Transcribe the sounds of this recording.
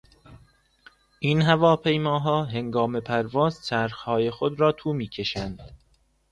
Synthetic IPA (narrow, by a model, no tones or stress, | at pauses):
ʔinɦævɒːpʰe̞jmɒːɦɒːɦe̞ŋɡɒːme̞pʰæɾvɒːzt͡ʃʰæɾxhɒːjexod̪ɾɒːt̪ʰuːmiːcʰe̞ʃænd̪̥